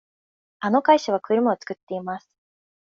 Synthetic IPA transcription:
ano̞kaiɕaβ̞akɯ̟ɾɯ̟maot͡sɨ̥kɯ̟t̪ːe̞imasɨ̥

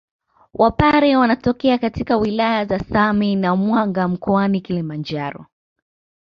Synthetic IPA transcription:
wʔapaɾɛwanatɔkɛakatikawilajazasaminamwaŋɡam̩kɔanikilimand͡ʒaɾɔ̰

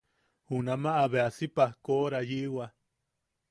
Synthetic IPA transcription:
hunamaʔːβeasipahkoʔɾajiʔwa

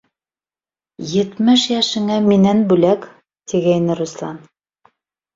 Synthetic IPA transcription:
jɘ̆t̪mɘʃjæʃɘ̆ŋæminænbʉlæk | t̪iɡæjnɘɾuslˠɑ̰n

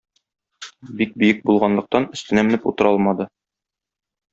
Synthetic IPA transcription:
bik̚bɵ̆jɘk̚bulˠʁɑnlˠɤ̆q̚t̪ɑnɵ̆st̪ɘ̆næmɘ̆nɘput̪ɤ̆ɾɑlˠmɑd̪ɤ

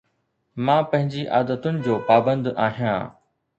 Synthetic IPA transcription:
mãːpɐ̃ɦɪ̃ɲd͡ʑiʔaːd̪ət̪ʊnɪ̆d͡ʑoːpaːbə̃nd̪aːɦijãː

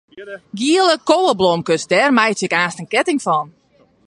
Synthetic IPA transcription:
ɡiəlˠəkoːəblomkəsdɛrmɛjsɪkaːstənkɛtɪŋfɔn

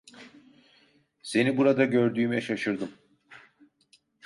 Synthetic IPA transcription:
se̞nibuɾad̪aɟø̞ɾd̪yːmɛʃaʃɯɾd̪ɯm

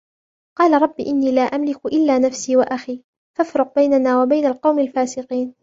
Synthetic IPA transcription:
qɑːlaɾˤɑbːḭːʔɪnːiːlaːʔamlɪkʔɪlːaːnafsiːwaʔaxiː | fafɾʊq̚bajnanaːwabajnalqɑwmalfaːsɪqiːn

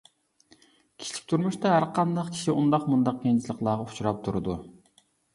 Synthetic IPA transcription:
kʲʰi̥t͡ʃʰi̥p̚ʲt̪ʰuɾmuʃt̪ɑɦæɾqʰɑnd̪ɑqkʲʰi̥ʃiʔund̪ɑqmund̪ɑq̚kʲent͡ʃʰilˠəqlˠɑːʁɑut͡ʃʰuɾɑp̚t̪ʰuɾɨd̪u

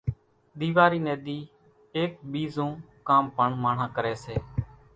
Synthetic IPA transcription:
ɗ̪iːʋaːɾiːneːd̪iː | eːk̚ɓiːzõː | kaːmpəɳmaːɳ̤ãːkəɾɛːseː

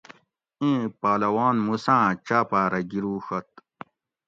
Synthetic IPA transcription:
ẽːpaːlɐwaːnmusãːt͡ɕaːpaːɾɐɡiɾuːxɐt̪̚

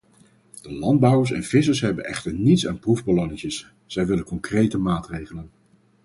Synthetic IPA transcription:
d̥əlɑnd̚bʌwəɹsɛ̰nv̥ɪsəɹsɦɛbənɛχtəɹnitsa̰ːnpruvbəlɔŋɪŋəs | z̥ɛjʋɪlənkɔŋkrejtəmaːtrejχələn

